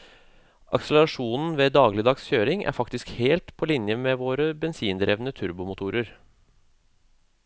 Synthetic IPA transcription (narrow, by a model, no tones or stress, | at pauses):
ʔɑ̰ksələɾɑʂuːnn̩ʋeːd̪ɑːɡlɪd̪ɑːɡsçøːɾɪŋʔæ̰ːɾfɑkt̪ɪskheːlt̪pʰɔːlɪnjəmeːʋoːɾəbɛnsiːnd̪ɾeːʋnət̪ʰʉɾbʊmʊt̪ʰuːɾəɾ